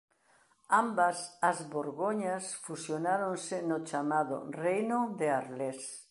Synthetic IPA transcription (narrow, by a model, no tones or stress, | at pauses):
ambɐsɐzβoɾɣoɲasfusjonaɾonsɪnot͡ʃamaðʊ̰rejnʊðeaɾles